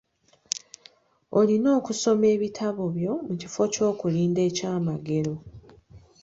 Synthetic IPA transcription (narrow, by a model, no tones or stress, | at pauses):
olino̞ːkuso̞me̞ːβitʰaβo̞βjo̞mucifo̞co̞ːkuliːnde̞ːcaːmaɡe̞ɾo̞